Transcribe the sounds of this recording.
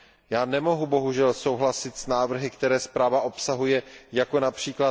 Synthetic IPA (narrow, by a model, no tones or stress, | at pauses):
jaːnɛmo̞ɦubo̞ɦuʒɛlso̞wɦlasɪt̪snaːvr̩ɦɪkt̪ɛɾɛːspɾaːvaʔo̞psaɦujɛjako̞napr̝̥iːkla